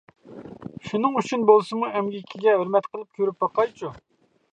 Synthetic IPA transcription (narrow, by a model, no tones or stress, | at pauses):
ʃunɨŋyt͡ʃʰynbolˠsɨmuʔɛmɡʲikʲʰiɡʲɛɦøɾmɛt̪qəlˠɨp̚kʲʰøɾyp̚bɑqɑjt͡ʃʰu